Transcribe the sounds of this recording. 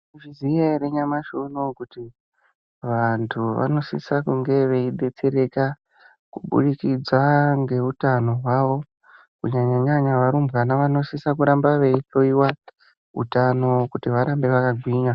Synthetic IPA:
ʐizieɾeɲamaʃonokuti | ʋantʰuʋa̰no̞sḭsakuŋɡe̞ʋe̞iɗe̞t͡se̞ɾe̞ka | kuɓṵɗikid͡zwaŋɡe̞utano̞ɦwaʋo̞ | kuɲaɲaɲaɲaʋaɾumbɣanaʋano̞sisakuɾambaʋe̞iɬo̞iwa | ṵtanokutiʋaɾambe̞ʋakaɡʱwiːɲa

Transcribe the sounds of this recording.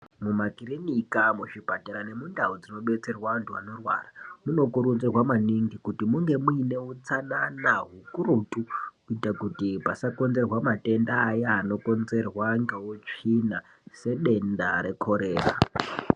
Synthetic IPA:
mumakirenikamuʂipataɾane̞mundaud͡zino̞ɓe̞t͡se̞rwaʋantʰuano̞rwa̰ːramuno̞kuɾunzerwamaniŋɡikutimuŋɡe̞muine̞ut͡sananaɦukuɾutukuitakutipasako̞nze̞rwamate̞ndaːjaːno̞ko̞nze̞rwaŋɡewot͡ʂina | se̞ɗe̞ndaɾe̞kʰo̞ɾe̞ːra̰

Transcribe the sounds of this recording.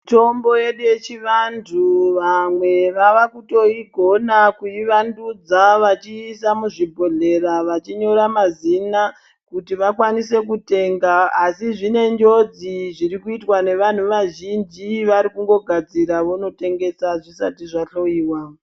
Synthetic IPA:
to̞mbo̞je̞ɗuje̞t͡ʃiʋantʰuʋamwe̞ʋaʋakuto̞iɡʱo̞nakuiʋandud͡zaʋat͡ʃiːsamuʐibʱo̞ɮe̞ɾaʋat͡ʃiɲo̞ɾamazina | kutiʋakwanise̞kute̞ŋɡaːsiʐine̞nd͡ʒo̞d͡ziʐiɾikuitwane̞ʋan̤uʋaʒind͡ʒiʋaɾikuŋɡo̞ɡʱad͡ziɾaʋono̞te̞ŋɡe̞saʐisa̰tiʐaɬo̞jiːwa

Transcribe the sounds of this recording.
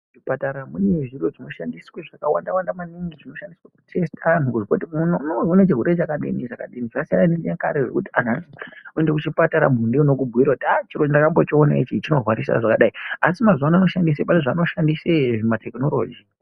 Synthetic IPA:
ʐipataɾamune̞ʐiro̞ʐino̞ʃandisweʐakawa̰ndawandamaniŋɡiʐino̞ʃandiswaku̥tʰe̞stʰanukuʐikotinonounet͡ʃeɦuɾet͡ʃakaɗḭniʐakaɗiniʐasia̰nanieka̰ɾeʐe̞̰kutianasiuendekut͡ʃipataɾa̰mundeuno̞kubʱuiɾakutiat͡ʃiɾondakambo̞t͡ʃiona̰it͡ʃit͡ʃino̞rwaɾisa̰ʐakaɗaiasimazanano̞ʃandis̬epaniʐano̞ʃandiseʐematʰekino̞lo̞ːd͡ʒi

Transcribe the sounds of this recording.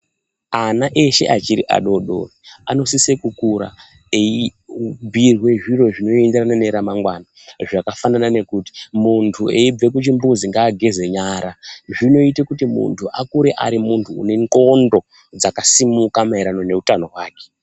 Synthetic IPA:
anaʔe̞ʃe̞̰ʔat͡ʃiɾḭʔa̰ɗo̞ɗo̰riano̞sisekukuɾa̰ | eibʱirwe̞ʐiro̞ʐino̞e̞ndeɾanane̞ɾamaŋɡwana | ʐakafananane̞kuti̥muntʰueib͡ve̞k̬ut͡ʃimbuziŋɡaːɡʱe̞ze̞ɲaːɾaʐino̞itekutimṵntʰuʔakuɾe̞ʔa̰ɾimuntʰṵːne̞ŋko̞ndo̞ | d͡zakasimukamaiɾano̞ne̞utano̞ɦwaːke̥

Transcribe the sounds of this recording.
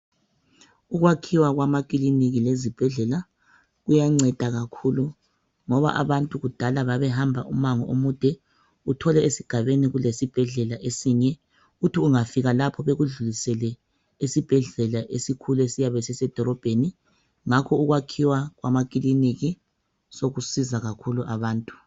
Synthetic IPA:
uɣwakʰiwaɣwamak̬ʼiliniɣilezib̥ʱɛɮɛla | ɣujaŋ͡ǀɛd̥ʱaɣakʰulu | ŋɔβa̰ʔa̰βantʼuɣud̥ʱalaβaβɛɦambʱaʔumaŋɔʔomud̥ʱɛ | utʰɔlɛesiɡ̥ʱaβeniɣulesib̥ʱɛɮɛlaʔesiɲɛ | utʰiuŋafiɣalapʰɔβeɣuɮulisɛlɛ | esib̥ʱɛɮɛlaʔesikʰuluesijaβɛsɛsɛd̥ʱɔɾɔb̥ʱeni | ŋakʰɔuɣwakʰiwaɣwamaɣ̬ʼiliniɣi | soɣusizaɣakʰuluʔaβaːntʼu̥

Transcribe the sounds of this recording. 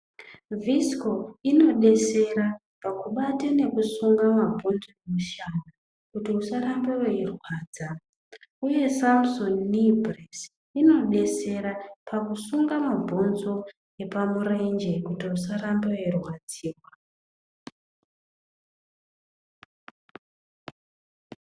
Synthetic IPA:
visko̞ino̞ɗe̞se̞ɾa | pakuɓatene̞kusuŋɡamabʱonzo̞emuʃana | kutiusaɾambeweirwaːd͡za | uje̞samsonːibras | ino̞ɗe̞se̞ɾapakusuŋɡamabʱonzo̞ | e̞pamurend͡ʒe̞kutiusaɾambeoirwad͡ziːwa

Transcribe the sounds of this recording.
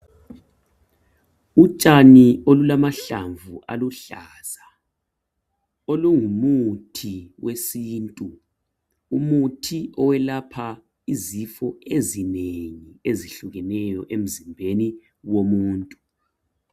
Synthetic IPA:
ut͡ʃʼaniolulamaɬa̰ɱvuʔa̰luɬaːz̥a | oluŋumutʰiwesiːntʼu | umutʰiʔɔwɛlapʰa | izifɔezineŋieziɬuɣɛnɛjɔʔem̩zimbʱeni | womuːntʼu

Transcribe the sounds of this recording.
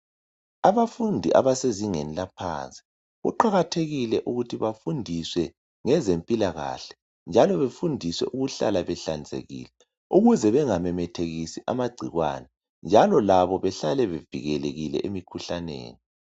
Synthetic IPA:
aβafundʱiʔa̰βaseziŋḛnilapʰa̰nt͡sʼi̥ | ɣuǃaɣatʰeɣilɛʔuɣutʰiβafundʱiswɛ | ŋɛzempʼilaɣa̰ːɬɛ̥ | nd͡ʒʱalɔβefundʱiswɛ̰ʔuɣuɬa̰laβɛɬand͡zʱḛɣḭːlɛ | uɣuzɛβɛŋamɛmɛtʰeɣisiʔamaɡ͡ǀʱiɣwa̰ːnɛ | nd͡ʒʱalɔlaβɔβɛɬalɛβevḭɣɛleɣilɛ̰ʔemikʰuɬanḛːni

